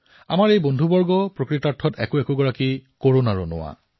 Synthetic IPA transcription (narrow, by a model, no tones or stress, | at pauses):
a̰maɹejbondʱubɔɹɡɔpɹokɹitaɹtʰɔtɛ̰kʊɛkʊɡɔɹakikoɹonaɹɔnʊ̰wa̰